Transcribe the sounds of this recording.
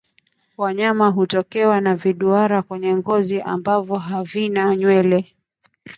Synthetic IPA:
waɲamaɦutɔkɛwanaviɗuaɾakwɛɲɛŋɡɔziʔa̰mbavɔɦavinaɲwɛlɛ

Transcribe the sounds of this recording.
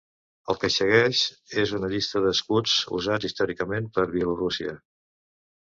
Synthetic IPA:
əlˠkəsəɣɛʃezunəʎist̪əðəskud͡zṵzatist̪ɔɾikəmenpəɾβjəlurusiə̰

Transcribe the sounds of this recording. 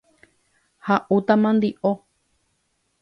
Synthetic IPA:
haʔut̪ãmãnd̪iʔo

